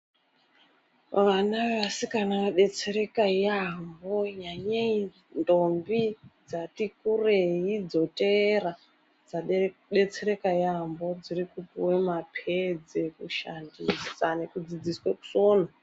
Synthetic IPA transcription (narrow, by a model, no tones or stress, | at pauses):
ʋanaʋe̞ʋasikanakaɗe̞t͡se̞ɾe̞kaiambo̞ɲaɲai | ndo̞mbid͡zatikureɦid͡zo̞tera | d͡zaɗe̞t͡seɾe̞kaiaambo̞d͡zirikupiwemapʰed͡zekuʃandisane̞kud͡zid͡zisweku̥soːna